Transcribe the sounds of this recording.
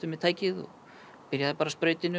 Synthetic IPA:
t̪ʏmːɛðt̪ʰaːjcɪðɔ̰ | pɪɾjaðθapaːɾaspɾeːɥt̪ɪnʏ

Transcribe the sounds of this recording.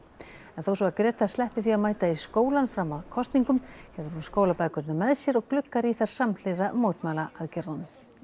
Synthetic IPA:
ɛnθowsvɔakɾɛːt̪aslɛhpɪθiaðmaːjt̪aiskoːwlanfɾamːaðkʰɔst̪niŋkʏmhɛvðɪɾhunskoːwlapaːjkʏɾnamɛðsjɛɾɔɣklʏkːaɾiθaɾ̥saml̥ɪðamoːwt̪maːlaʔaðcɛɾawnʏm

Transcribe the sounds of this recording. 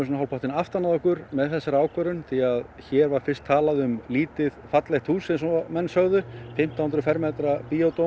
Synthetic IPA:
ɪsnaɦawlpʰaht̪ɪnaft̪anaðɔhkʏɾmɛðθɛsːaɾaːwkvœɾʏnt̪ʰiaðçɛːɾvaɾfɪr̥st̪ʰːaːlaðʏmliːt̪ɪðfat̪lɛxt̪huːsɛsmɛnːsœɣðʏfɪm̥t̪ahnt̪ɾʏfɛɾmɛːt̪ɾapiot̪o

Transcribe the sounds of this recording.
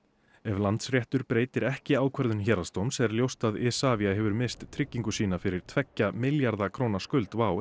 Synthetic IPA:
ɛvlant̪sɾjɛht̪ʏɾpɾeːjt̪ɪɾɛhcɪaːwkʰvɛɾðʏnçɛːɾast̪owmsɛɛɾljowst̪aðɛːsaːvjaɦɛvʏɾmɪst̪t̪ʰːɾɪcːiŋkʏsiːnafɪɾɪɾ̥t̪ʰvɛcːamɪljaɾðakʰɾownaskʏlt̪vaːw

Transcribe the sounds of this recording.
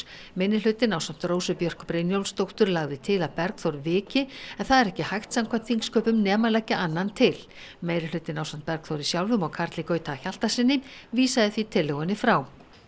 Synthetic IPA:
mɪnːɪl̥ʏt̪ːɪnawsam̥t̪roːwsʏpjœr̥kpɾejnjowlst̪owht̪ʏɾlaɣðɪt̪ʰɪlaðpɛɾkθowɾvɪːcɪɛnθaðɛɾɛhcɪhajxt̪samkʰvam̥t̪ʰfiŋkskʰœːpʏmnɛːmalɛcɪʔanːant̪ʰɪl | meːjɾɪl̥ʏt̪ːɪnawsam̥t̪̚pɛɾkθowɾisjawlvʏmɔɣkʰaɾt̪lɪkœːɥt̪aːçal̥t̪asɪnːɪmviːsaðɪθvit̪ʰɪlːɛɣʏnːɪfɾaw

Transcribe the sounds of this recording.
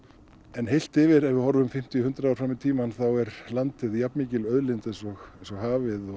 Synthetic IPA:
ɛnɦejl̥t̪ɪvɪɾɛvɪðhɦɔɾvʏmfɪm̥t̪iʏhʏnt̪ɾaɔwɾfɾamɪt̪ʰiːmanθawɛɾlant̪ɪðjapnmiːcɪlœðlɪnt̪ɛnsɔɣɛnsɔɣhaːvɪðɔ

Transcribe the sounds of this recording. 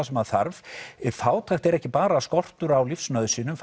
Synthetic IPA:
asɛmaðθa̰ɾvfaːwt̪ʰajxt̪ɛɾɛhcɪpaːɾaskɔr̥t̪ʏɾawlifsnœːðʏsiːnʏmf

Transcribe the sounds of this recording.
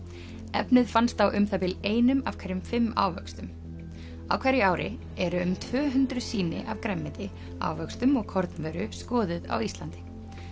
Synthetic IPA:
ɛpnɪðfanst̪θawʔʏmθap̪ɪleːjnʏmavkʰɛjɾɪmfɪmːa̰ːwvœ̰kst̪ʏm | a̰wkʰvɛɾjɪaːwɾɪ̰ | ɛɾʏːmt̪ʰvœːɦʏnt̪ɾʏsiːnɪ̰ʔavkɾɛmːɪt̪ɪ | a̰ːwvœkst̪ʏmɔɣkʰɔɾt̪nvɛːɾʏskɔːðʏða̰wist̪lant̪ɪ̥

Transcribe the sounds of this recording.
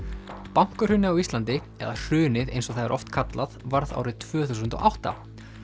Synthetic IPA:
pawŋ̥kʏɾ̥hʏnːɪawist̪lant̪ɪɛ̰ðar̥ʏːnɪðḛjnsɔθaðɪɾʔɔft̪kʰat̪laðvaɾða̰wɾɪðt̪ʰvœːθuːs̬ʏnt̪ɔ̰ʔawht̪a̰

